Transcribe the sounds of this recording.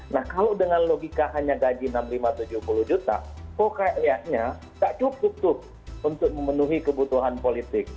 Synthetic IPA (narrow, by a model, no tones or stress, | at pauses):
nahkalowdəŋanloɡikaɦaɲaɡad͡ʒinamlimat̪ud͡ʒʊhpulʊhd͡ʒut̪a̰kokaʔjaʔɲa | ɡaʔt͡ʃup̚ʊp̚t̪ʊh | unt̪ʊk̚məmənuɦikəbut̪uɦanpolit̪ɪk̚